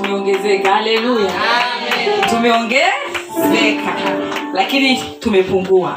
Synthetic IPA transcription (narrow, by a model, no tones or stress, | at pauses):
umɛɔŋɡɛzɛkahalɛluja | tumɛɔŋɡɛazɛkalakini | tumɛpuŋɡua̰